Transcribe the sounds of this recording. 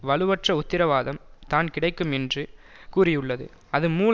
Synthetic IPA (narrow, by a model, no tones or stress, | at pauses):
ʋɐɭɯʋɐʈrɐʊt̪ːɪɾɐʋaːðɐmt̪aːnkɪɽɐɪkːɯmɛndrɯ | kuːrɪjɯɭːɐðɯ̰ | ɐðɯmuːl